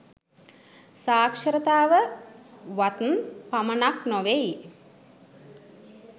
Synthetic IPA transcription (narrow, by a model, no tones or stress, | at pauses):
saːkʂəɾət̪aːʋə | ʋat̪npamənaknoʋej